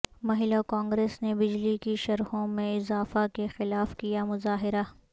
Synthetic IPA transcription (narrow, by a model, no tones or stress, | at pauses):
mɐɦɪlokãːŋɡɾeːsnebɪd͡ʒlikiʃɐɾhõmẽɪzaːfakexɪlaːfkijamʊzaːɦɪɾa